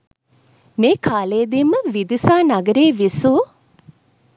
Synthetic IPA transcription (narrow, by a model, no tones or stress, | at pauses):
meːkʰaːleːd̪iməʋid̪isaːnaɡəɾeːʋisuː